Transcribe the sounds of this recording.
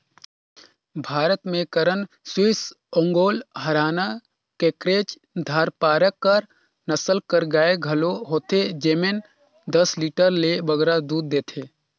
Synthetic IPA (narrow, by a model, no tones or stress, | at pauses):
bʱaːɾət̪mẽkəɾən | swɪs | õŋɡoːlɦəɾaːna | keːkɾeːt͡ʃ | d̪ʱaːɾpaːɾəkːəɾ | nəsəlkəɾɡaːeɡʱɐloɦoːt̪ed͡ʒeːmen | d̪əsliːʈəɾlebəɡɾad̪uːd̪̚ːeːt̪ʰeː